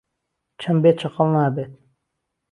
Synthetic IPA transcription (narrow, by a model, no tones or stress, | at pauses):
t͡ʃʰɐmbeːt̪̚t͡ʃʰɐqəlˠnaːbeːt̪̚